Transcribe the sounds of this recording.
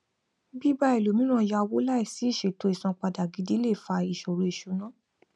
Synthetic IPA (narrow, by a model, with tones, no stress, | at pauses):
bi˦ba˦i˨lo˨mĩ˨˦nũ˦˧ja˧wo˦la˦i˨si˨˦i˦˨ʃe˨to˧˦i˨sɔ̃˧k͡pa˧da˨ɡi˨˦di˦le˦˨fa˧i˨ʃo˨ɾo˧i˨ʃu˨˧˦nã˦